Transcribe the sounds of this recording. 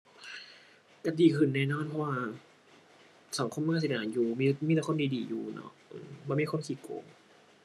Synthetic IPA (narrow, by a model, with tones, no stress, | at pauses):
ka˧˩diː˨˧kʰɯ˧˩nːɛː˧˩nɔː˧˥˨npʰɔ˧waː˧ | sa˨˦ŋkʰo˧˨mnaː˧˩˨si˨˧˩ʔaː˨˩˦njuː˧miː˧miː˧˩t̪a˧˥kʰo˧˥˨diː˧diː˨˩jṵː˧˩nɔ̰˦ʔɯ̰ː˨˩mbɔː˧˨miː˧˩ko˧˥˨ŋkʰi˧˩ko̰ː˧˩ŋ